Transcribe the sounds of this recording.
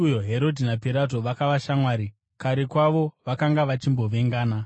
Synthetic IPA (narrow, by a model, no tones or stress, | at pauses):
ujo̞ɦe̞ɾo̞dʱinapiɾat̬o̞ʋakaʋaʃamwaːɾi | kaɾe̞kwaʋo̞ʋakaŋɡaʋat͡ʃimbo̞ʋe̞ŋɡaːna